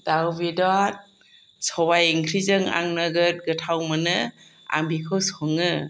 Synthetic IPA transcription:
d̥abidɔat̚ | sɔwajiŋkʰɾizɯŋa̰ŋnɯɡɯt̚ɡɯtʰawmɯnɯ | a̰mbikʰɯwsɔŋɯ

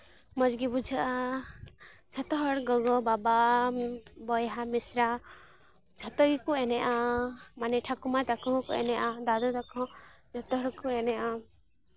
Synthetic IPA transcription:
mɔd͡ʒɡibud͡ʒʱəʔa | d͡ʒʰɔt̪ɔɦɔɽɡɔɡɔbaba | bɔjɦamisɾa | d͡ʒʰʱɔt̪ɔɡikuɛnɛʔamanɛʈʰakumat̪akɔɦkɔ̰ʔɛ̰nɛʔad̪ad̪ɔd̪akɔ̃d͡ʒɔt̪ɔɦɔɾkuɛnɛʔa

